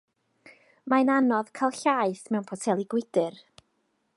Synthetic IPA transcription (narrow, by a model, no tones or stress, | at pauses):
mananɔðkʰalˠɬaːɨθmɛwnpʰɔtʰɛlˠiɡwɪd̥ɨr